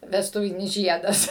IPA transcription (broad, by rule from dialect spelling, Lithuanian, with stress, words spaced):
ʋʲɛsˈtʊʋʲɪnʲɪs ˈʒʲiɛdɐs